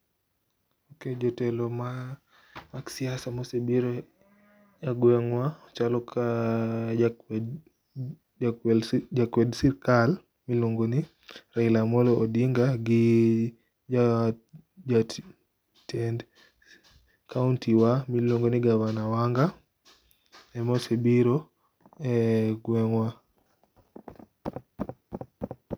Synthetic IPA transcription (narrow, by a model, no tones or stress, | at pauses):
oked͡ʒɔtɛlɔma | maksiasamɔsɛbiɾɔ | jaɡwɛŋwaɔt͡ʃalɔka | akɛld͡ʒakwɛdsiɾkal | miloŋɡoni | railamɔlɔʔodiŋɡaɡi | a | d͡ʒat | tɛnd | kauntiwamiloŋɡoniɡavanawaŋɡa | ɛmɔsebiɾɔ | ɛɡwɛŋwa